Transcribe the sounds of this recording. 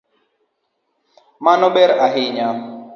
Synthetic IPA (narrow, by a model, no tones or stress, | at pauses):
manɔbɛɾaɦɪɲam